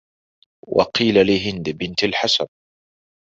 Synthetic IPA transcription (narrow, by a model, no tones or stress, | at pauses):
wʔɑ̰qiːlalɪɦɪnd̪bɪnt̪alħasan